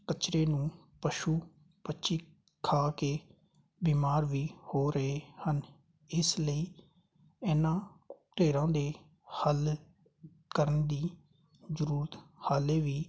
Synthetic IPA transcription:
kət͡ʃɾeːnũː | pəʃuː | pətːʃiː | kʰaːkeː | biːmaːɾʋiːhoːɾəɦeːhən | ɪsləiː | ɛːnãːt̪eːɾãːd̪eː | həl | kəɾənd̪iː | zəɾuːɾət̪haːleːʋiː

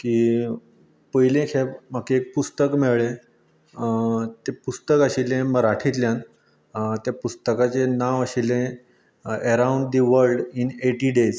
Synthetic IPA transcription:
ki | pəjlẽkʰebm̤akeːk̚pust̪əkmeʋɭe | t̪epust̪əkaɕilẽməɾaʈʰit̪ljãn | t̪japust̪əkat͡ɕenaʋəɕilẽ | əɾauɳɖd̪iʋəɾɖineʈiɖed͡z

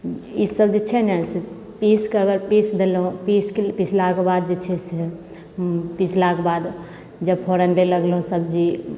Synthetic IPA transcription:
isəbd͡ʒit͡ʃʰɛnɛse | piskəɡəɾpisd̪elõpiskepit͡ʃʰlakbaːd̪̚d͡ʒet͡ʃʰɛsɛ | pit͡ʃʰlakbad̪ | d͡ʒəbpʰoɾə̃ɳɖeləɡlõsəb̚d͡ʒi

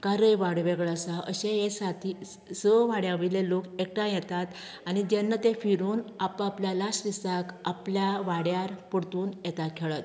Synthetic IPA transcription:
kaɾəjʋaɽʋeɡɭasaʔəɕẽjesat̪ʰi | səʋaɽjaʋilelokek̚ʈãjɛt̪at̪ | anid͡ʑɛnːət̪efiɾuːnapapljalasd̪isakapljaʋaɽjaɾpəɽt̪uːnjɛt̪akʰɛɭət̪

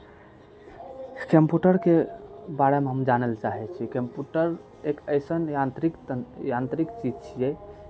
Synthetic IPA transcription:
kempjuʈəɾkebaɽemeɦəmd͡ʒanəlt͡ʃaɦɛt͡ʃʰikempjuʈəɾ | ekəɪsənant̪ɾik̪jant̪ɾikt͡ʃid͡ʒt͡ʃʰijɛ

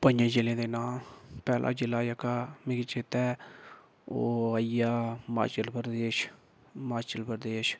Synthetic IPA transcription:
pənd͡ʒãːd͡ʒɪlẽːd̪eːnaːpɛːlʔa̰ːd͡ʒɪlːaːjəkaːmẽɡit͡ʃet̪ɛː | oːəijaːma̰ːt͡ʃəlpəɾd̪eːʃ | maːt͡ʃəlpəɾd̪eːʃ

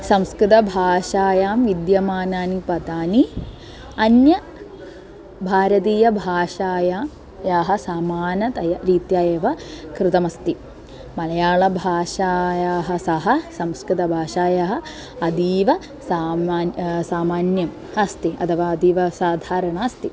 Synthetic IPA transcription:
sɐmskɾɪt̪ɐbʱaːʂaːjaːmʋid̪jɐmaːnaːnipɐd̪aːni | ɐnjɐ | bʱaːɾɐt̪̬iːjɐbʱaːʂaːjaː | jaːɦɐ̆saːmaːnɐt̪ɐjɐɾiːt̪jaːjeːʋɐkɾɪt̪ɐmɐst̪i | mɐlɐjaːɭɐbʱaːʂaːjaːɦɐ̆sɐɦɐsɐmskɾɪt̪ɐbʱaːʂaːjaɦɐ̆ | ɐd̪iːʋɐ | saː | saːmaːnjɐm | hɐst̪iɐ̰t̪ʰɐʋaːɐd̪iːʋɐsaːd̪ʱaːɾɐɳaːɐst̪i

